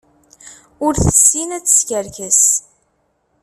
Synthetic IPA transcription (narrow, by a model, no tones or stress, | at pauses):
ʊɾθə̥sːinæt͡sːə̥skəɾkəs